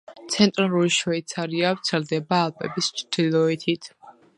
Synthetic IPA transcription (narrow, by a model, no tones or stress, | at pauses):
t̪sʰɛnt̪ʼɾalˠuɾiʃwajt̪sʰaɾiavt̪sʰɛɾd̪ɛbaːlˠpʼɛ̰bist͡ʃʰd̪̥ilˠɔit̪ʰit̪ʰ